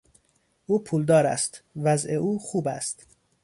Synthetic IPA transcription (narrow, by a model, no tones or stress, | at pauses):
ʔuːpʰuːld̪ɒːɾæ̰st̪væzeʔuːxuːbæ̰st̪